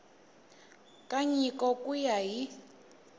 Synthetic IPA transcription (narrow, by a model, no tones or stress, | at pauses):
kʼaɲikɔkujaɦi